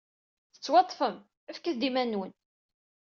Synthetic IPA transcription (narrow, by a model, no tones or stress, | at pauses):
θə̥t͡sːwɑt̪ˤːfəm | æfkəθd̪imænːwən